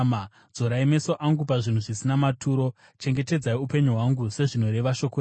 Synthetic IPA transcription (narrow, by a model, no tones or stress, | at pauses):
ma | d͡zo̞ɾaime̞so̞ʔaŋɡupaʐin̤uʐisinamatʰuːɾo̞ | t͡ʃe̞ŋɡe̞te̞d͡zaiupe̞ɲuɦwaŋɡuse̞ʐino̞ɾe̞ʋaʃo̞ko